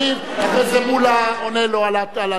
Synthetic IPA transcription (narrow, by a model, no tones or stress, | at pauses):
i | apɛzeɓulaɔnɛlɔalatala